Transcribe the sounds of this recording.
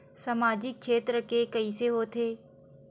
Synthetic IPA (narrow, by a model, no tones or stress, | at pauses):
sɐmaːd͡ʒɪk̚ʃʰeːt̪ɾəkekɐiseɦoːt̪ʰeː